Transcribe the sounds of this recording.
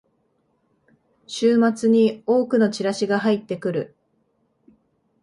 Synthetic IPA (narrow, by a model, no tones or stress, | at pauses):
ɕɨːmat͡sɨɲ̟io̞ːkɯ̟no̞t͡ɕiɾaɕiɡaɦait̪ːe̞kɯ̟ɾɯ̟